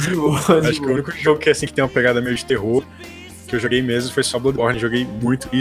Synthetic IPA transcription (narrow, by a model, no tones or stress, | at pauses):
ʒoaʃʊ̥kɪũnikʊʒoɡʊkɪɛasĩkt̪ẽj̃ũmɐpeɡad̪ɐmejʊd͡ʒɪt̪eɦoɾ | kɪewʒoɡejmezmʊfojsɔblɐd̪bɔɾnẽʒoɡejmũj̃t̪ʊi